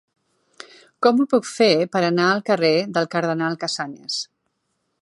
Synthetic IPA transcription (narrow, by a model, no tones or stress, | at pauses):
kɔmupukfepəɾənaəlˠkəreðəlˠkəɾðənalˠkəsaɲə̰s